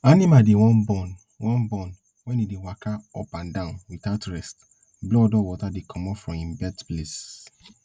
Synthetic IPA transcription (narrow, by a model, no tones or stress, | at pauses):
anĩmadewɔ̃nbɔ̃n | wɔ̃nbɔ̃n | wɛ̃nidewakʰaɔpãndãʊ̃nwiθaʊtɹɛst | blɔdɔwɔtadekʰɔ̃mɔpfɹɔ̃mĩmbɛtples